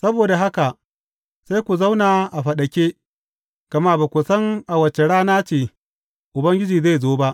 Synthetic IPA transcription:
sɐ˦boː˨da˨ɦa˦ka˨ʔ | sa˦jkʷu˨za˦wnaː˨ʔa˨ɸɐ˨ɗɐ˨kʲeː˦ | kɐ˨ma˦baː˨kʷu˨sɐ˦ŋʔa˨wɐ˨t͡ʃe˨ɽaː˦naː˦t͡ʃeː˨ | ʔʊ˨bɐ˦ŋɡʲɪ˦d͡ʒiː˨za˦˨zoː˦ba˦ʔ

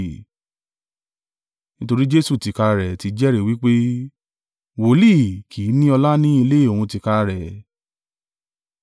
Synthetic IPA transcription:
nĩ˦to˧ɾi˦d͡ʒe˦su˦˨ti˨ka˧ɾɛ˨ti˧d͡ʒɛ˦ɾe˦˨wi˦k͡pe˦ | wo˨˦li˦˨kʰi˨˦nĩ˦ɔ˧la˦nĩ˦i˧le˦e˦˨o˨hũ˧ti˨˧ka˧ɾɛ˨

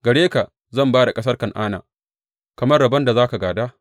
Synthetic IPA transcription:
ɡɐ˨ɽeː˦ka˨ʔ | zɐ˦˨mbaː˦da˨kʼɐ˦sɐ˦rkɐ˨ŋʔaː˦na̰ː˨ | kɐ˨mɐ˦rɽɐ˨bɐ˦nda˨zaː˦ka˨ɡaː˨daː˦

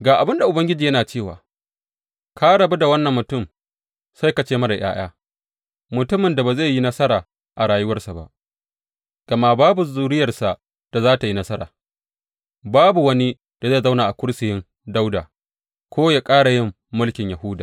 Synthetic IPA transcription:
ɡaː˨ʔa˨bɪ˦nda˨ʔʊ˨bɐ˦ŋɡʲɪ˦d͡ʒiː˨jɐ˦naː˨t͡ʃeː˦˨wa̰ː˨ | kʰa˦ɽɐ˨bu˦da˨wɐ˦nːɐ˨mːʊ˨tʊ˦˨m | sa˦jka˨t͡ʃeː˦mɐ˦da˨j̰a̰ː˦j̰aː˦ | mʊ˨tʊ˦mɪ˨nda˨ba˨za˦˨jji˦nɐ˦sɐ˦ɾaː˨ | ʔa˨ɽaː˨jʊ˦wɐ˦rsa˨ba̰˦ʔ | ɡ̥ɐ˨ma˦baː˦bu˨zuː˦ɽɪ˦jɐ˨rsa˨ʔ | d̥a˨zaː˦ta˨ji˦nɐ˦sɐ˦ɾa̰ː˨ | baː˦bu˨wɐ˦ni˦ | d̥a˨za˦˨za˦wnaː˨ʔa˨kʷʊ˦ɽsɪ˨jɪ˦n | da˦wdaː˨ | kʷoː˦ja˦kʼaː˦ɽa˨jɪ˦mːʊ˦lkʲɪ˨ɲja˨hʊː˦daː˨

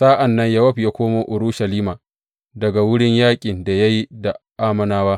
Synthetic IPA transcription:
saː˦ʔa˨nːɐ˦ɲja˦wɐ˦ɸi˨jaː˦kʷoː˦moː˦ʔʊ˨ɾʊ˦ʃɐ˨liː˦maː˨ | dɐ˨ɡa˨wʊ˦ɽɪ˦ɲjaː˦kʲʼɪ˨nda˨ja˦ji˦da˨ʔaː˦mɐ˨naː˦waː˦

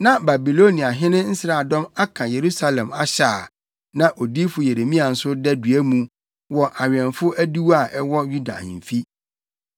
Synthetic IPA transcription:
nã˦ba˨bi˨lo˦nĩ˨a˨ɦɪ̃˦nɪ̃˦n̩˦sɾa˨dɔ̃˦ma˦kʰã˨je˨ɾu˦sa˦lɛ̃˨ma˨ɕaː˨ | nã˨ʔo˨di˦fʊ˨je˨ɾe˨mĩ˦a˨n̩˨sʊ˦dɛ˦dɥæ˦mũ˨˦ | wɔ˨ʔa˨ɥɛ̃˨nfʊ˦æ˦du˦wa˦˨ʔɛ˦wɔ˦ju˦dã̰˨m̩˨fi˦

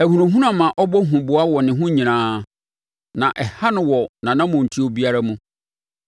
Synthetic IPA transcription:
æ˨hũ˨ɾʊ̃˨ɦũ˦nã˨mã˨ʔɔ˦bɔ˦ɦũ˨bʊ˨a˦wɔ˨nɪ̃˨ɦʊ̃˦ɲĩ˨nãː˦ | nã˨ʔɛ˨ha˦nʊ̃˦wɔ˨nã˨nã˦mʊ̃˨n̩˨tʰi˦o˨bi˦a˦ɾa˦mũ˦

